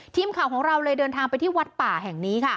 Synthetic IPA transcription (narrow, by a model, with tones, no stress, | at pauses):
t̪ʰiː˧mkʰaː˨˩˦wkʰɔː˩˦ŋɾa˧wlɤː˧jdɤː˧nt̪ʰaː˧ŋpa˧jt̪ʰiː˥˩wa˦˥t̪̚paː˨˩ɦɛː˨˩ŋniː˦˥kʰa˥˩